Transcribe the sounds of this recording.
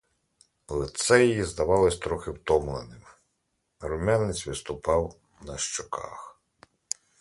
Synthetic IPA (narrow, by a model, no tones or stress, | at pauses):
lˠet̪sɛjjizd̪ɐʋɑlˠɪsʲt̪ɾɔxɪwt̪ɔmlˠenɪm | ɾʊmʲanɪt͡sʲʋɪst̪ʊpɑw | nɐʃt͡ʃɔkʰɑ̰x